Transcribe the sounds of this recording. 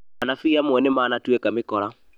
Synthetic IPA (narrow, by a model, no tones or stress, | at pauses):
anafiamwɛnɛmaːnatuɛkamɪkɔɾa